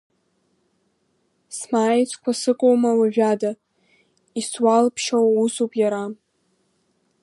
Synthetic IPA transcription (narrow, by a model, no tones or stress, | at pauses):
smaːjt͡sʷʰkʷʰasɨkʷʼowmawaʒᶣada | iswalpʰʃawusupʼjaɾa